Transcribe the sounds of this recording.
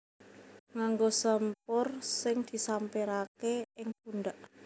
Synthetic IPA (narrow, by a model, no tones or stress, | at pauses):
ŋaŋɡosəmpʊrsɪŋd̪̥i̤sampeɾakeɪŋp̚unɖ̪aʔ